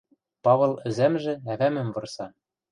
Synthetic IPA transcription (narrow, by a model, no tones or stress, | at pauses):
pɑβɤ̆lˠɘ̆zæmʒɘ̆æβæmɘ̆mvɤ̆rsɑ